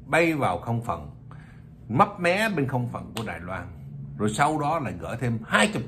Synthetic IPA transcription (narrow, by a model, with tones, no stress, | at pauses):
ɓə˧jvaː˨˩wxə˧wŋ͡mfə̰˨˩n | ma˦˥p̚mɛ˨˦ɓe˧nxə˧wŋ͡mfə̰˨˩nku˧˩əɗaː˨˩jlwaː˧nzo˨˩jsa˧wɗɔ˨˦la̰ː˧˨˩jɣə̰ː˧˩jt̪ʰe˧mhaː˧jt͡ɕʊ˨˩k͡p̚